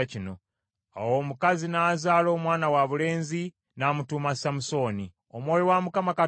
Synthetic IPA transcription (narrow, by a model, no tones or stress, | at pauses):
cino̞ | a̰wo̞ːmukazinaːzaːlo̞ːmwaːnawaβule̞ːnzi | naːmutuːmasamuso̞ːni | omwoːjiwamukamaka